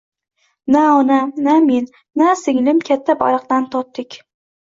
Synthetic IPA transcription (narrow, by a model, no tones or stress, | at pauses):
naɒnanamenːasɪŋlɪmkʲʰat̪ʰːaba̰ɾɑq̚t̪ant̪ʰɒt̪ːɪkʲ